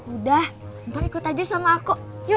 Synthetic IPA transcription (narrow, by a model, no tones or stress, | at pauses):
udahnt̪ɔɾikʊt̪ad͡ʒasamaːkuʔj